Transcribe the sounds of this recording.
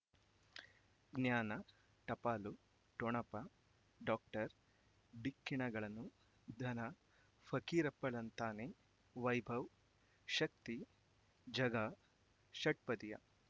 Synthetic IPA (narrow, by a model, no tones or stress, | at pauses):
ɡnjaːnɐ | ʈɐpaːlu | ʈoɳɐpɐ | ɖaːk̚ʈɐɾ | bikːiɳɐɡɐɭɐnːu | d̪ʱɐnɐ | fʰɐkiːɾɐpːɐɭɐnt̪aːne | ʋɐjbʱɐw | ʃɐk̚t̪i | d͡ʒɐɡɐ | ʃɐʈ̚pɐd̪ijɐ̰